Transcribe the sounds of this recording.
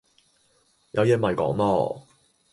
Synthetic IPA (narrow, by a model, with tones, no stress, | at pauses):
jʔɐ̰˨˧wjɛ˧˥mɐ˨jkɔ̰ː˨˥ŋlɔː˥